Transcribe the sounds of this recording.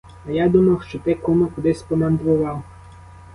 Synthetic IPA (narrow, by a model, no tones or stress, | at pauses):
ɐjad̪umɐwʃt͡ʃɔt̪ɪkɔmʊkʊd̪ɪsʲpɔmɐnd̪ʋʊʋɑw